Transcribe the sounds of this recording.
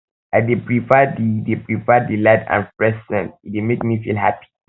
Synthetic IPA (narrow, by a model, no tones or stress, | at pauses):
adepɹifɛdidepɹifɛdiladã̰npɹɛsdɛ̰̃ntidemek̚mifḭlɦa̰pi̥